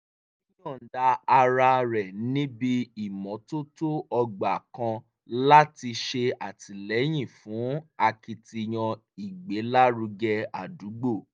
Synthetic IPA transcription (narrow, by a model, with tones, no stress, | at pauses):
ĩ˦jɔ̃˦˨n̩˨da˧a˧ɾa˧ɾɛ˨nĩ˦bi˧i˨mɔ̃˨˦to˦to˦ɔ˧ɡ͡ba˨kã˧ | la˦ti˧ʃe˧a˨ti˨˧lɛ˨˦j̃ĩ˦˨fũ˨˦a˧ki˧ti˧j̃ɔ̃˧ | i˨ɡ͡be˨˦la˦ɾu˧ɡɛ˧a˨du˨˦ɡ͡bo˦˨